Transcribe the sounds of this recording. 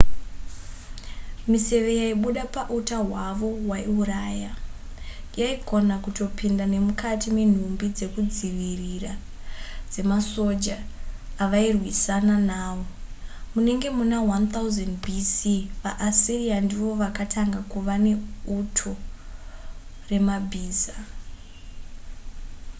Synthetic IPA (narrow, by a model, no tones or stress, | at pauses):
mise̞ʋe̞jaiɓuɗapaʔutaɦwaʋo̞waiuɾaːja | jaikʰo̞nakuto̞pʰindane̞mukʰatimen̤umbid͡ze̞kud͡ziʋirira | d͡ze̞maso̞d͡ʒaːʋairwisananaːʋo̞ | mune̞ŋɡe̞munaɦwant̪auzandbʱisiʋaʔːsiriandiʋo̞ʋakatʰaŋɡakuʋane̞utʰo̞ | re̞mabʱiːza